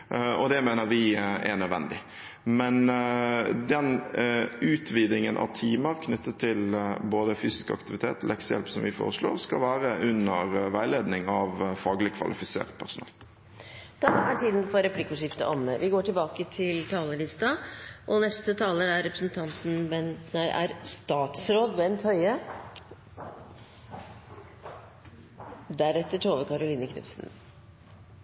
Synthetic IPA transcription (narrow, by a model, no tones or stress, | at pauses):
ɔd̪ɛmeːnəɾʋɪɛ̰ɳœd̪ʋɛ̰nd̪ɪ | mɛn | d̪ɛn | ʉːt̪ʰʋiːd̪ɪŋənʔɑ̰ʋt̪ʰiːməɾkʰnʏt̪ːət̪ʰːɪlboːd̪əfyːsɪ̥skɑ̰kt̪ɪʋɪt̪ʰeːt̪lʔɛksəjɛ̰lpsɔmʋɪfo̰ːɾəʂlo̰ːɾskɑ̰lʋæːɾəʔʉnːəɾʋæɪleːd̪nɪŋɑʋfɑːɡlɪkʰʋɑ̰lɪfɪsḛːɾt̪̚pʰæsʊnɑ̰ːl | d̪̥ɑːæʈʰiːd̪n̩fɔɾɛpʰlɪkʊʂɪft̪ə̰ʔɔməʋɪɡoːʈʰɪlbɑːkət̪ʰɪlt̪ʰɑːləlɪst̪ɑʔɔnɛst̪ət̪ʰɑːləɾæɾɛpɾəsn̩t̪ʰɑnt̪n̩bɛnnæɪʔæ̰ɾst̪ɑːt̪sɾoːd̪mɛɛnt̪ʰœʏə | d̪æɾɛt̪ːəʈʰoːʋəkʰɑɾʊliːnəkʰɾɪ̰psn̩